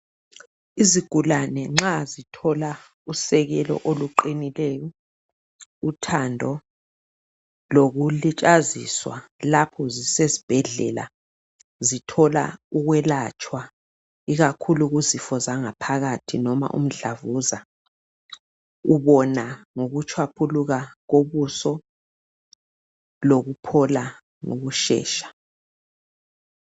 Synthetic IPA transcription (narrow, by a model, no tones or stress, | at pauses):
iziɡ̥ʱulanɛŋ͡ǁazitʰɔla | usɛɣɛlɔ̰ʔoluǃinilɛːjɔ | utʰandʱɔ | loɣulit͡ʃʼazḭswa̰lapʰɔzisezib̥ʱɛɮɛ̰la̰ | zitʰɔla̰uɣwɛlat͡ʃʼwa | iɣakʰuluɣuzifɔzaŋapʰaɣatʰinɔma̰ʔṵm̩ɬavuza | uβɔnaŋoɣut͡ʃʰwapʰuluɣaɣoβusɔ | loɣupʰɔla | ŋo̰ɣuʃɛ̰ːʃḁ